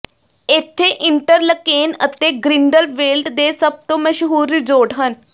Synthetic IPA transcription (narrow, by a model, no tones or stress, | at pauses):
ɪt̪ʰːeːʔɪɳʈəɾləkeːnət̪eːɡɾɪɳɖəlʋeːlɖd̪eːsəb̚t̪õːməʃɦuːɾːɪd͡ʒoːʈɦən